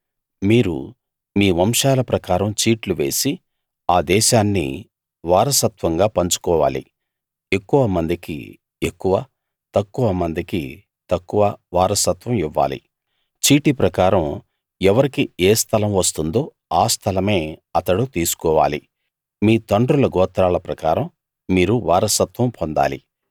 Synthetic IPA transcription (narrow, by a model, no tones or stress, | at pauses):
miːɾṵ | miːʋɐmʂaːlɐpɾɐkaːɾɐmt͡ʃiːʈluʋe̞̰ːsi | aːd̪ɛːʃaːnːḭ | ʋaːɾɐsɐt̪ʋɐŋɡaːpɐɲt͡ʃu̥kɔːʋa̰ːlḭ | e̞kːuʋɐmɐnd̪ikḭ | e̞kːuʋɐ | t̪ɐkːuʋɐmɐnd̪ikḭ | t̪ɐkːuʋɐʋaːɾɐsɐt̪ʋɐmiʋːa̰ːlḭ | t͡ʃiːʈipɾɐkaːɾɐm | ɛʋɐɾikieːst̪ʰɐlɐmʋɐst̪und̪o̞ː | aːst̪ʰɐlɐme̞ːɐt̪ɐɽut̪iːsu̥kɔːʋa̰ːli | miːt̪ɐɳɖɾulɐɡɔːt̪ɾaːlɐpɾɐkaːɾɐmː | iːɾuʋaːɾɐsɐt̪ʋɐmpʰond̪a̰ːlḭ